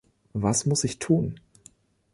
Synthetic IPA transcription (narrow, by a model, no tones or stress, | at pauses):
vasmʊsɪçtʰuːn